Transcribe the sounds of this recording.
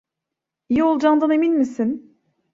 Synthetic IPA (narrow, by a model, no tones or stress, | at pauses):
ijio̞lˠd͡ʒand̪ane̞minmisin